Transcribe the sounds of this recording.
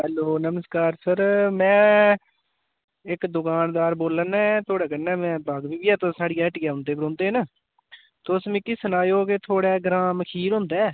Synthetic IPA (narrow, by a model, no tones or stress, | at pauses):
ɦɛːloːnəməskaːɾsəɾmɛ̃ː | ɪkd̪ʊkaːnd̪aːɾboːlənɛ̃ːt̪ʰoːɽɛːkənːɛːmɛ̃ːbaːɡbiːbiːɛːt̪ãːsaːɽiːɛːʈɡaːʊnd̪eːbəɾõːnd̪eːnə | t̪ːʊsmĩːkɪːsənaːjoːket̪ʰoːɽɛːɡɾaːməkʰiːɾɦõːnd̪aː